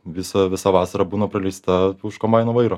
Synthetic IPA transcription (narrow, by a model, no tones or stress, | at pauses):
ʋʲɪsɐʋʲɪsɑʋɑːsɐɾɐbuːnɐpɾɐlʲɛɪst̪ɐʊʃkombɐɪnoːʋɐɪɾoː